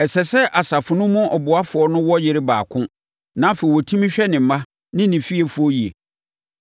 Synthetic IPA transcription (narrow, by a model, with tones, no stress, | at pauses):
ɛ˨sɛ˨sɛ˦ʔa˨sa˨fʊ˨nʊ̃˦mːʊ̃˦ʔɔ˨bʊ˨a˦fʊ˨ɔ˦nʊ̃˦wɔ˦jɪ˦ɾɪ˦ba̰ː˨kʰʊ̃˦ | nã˦fe˨i˨wɔ˨tʰĩ˦mĩ˦ɕᶣɛ˦nɪ̃˨m̩˨mã˦ | nɪ̃˦nɪ̃˨fi˦e˨fu˦ɔ˦ji˨ḛ˨